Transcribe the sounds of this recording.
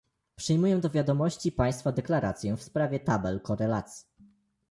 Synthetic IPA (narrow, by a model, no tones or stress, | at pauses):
pʂɘjmujɛ̃d̪ɔvʲjad̪ɔmɔɕt͡ɕipaj̃st̪fad̪ɛklaɾat̪sʲjɛfspɾavʲjɛt̪abɛlkɔɾɛlat̪sʲji